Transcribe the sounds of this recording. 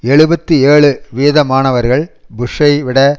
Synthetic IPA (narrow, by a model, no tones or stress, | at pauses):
ɛɭɯbɐt̪ːɯeːɭɯʋeːðɐmaːnɐʋɐɾɣɐɭbʊʂɐɪʋɪɽɐ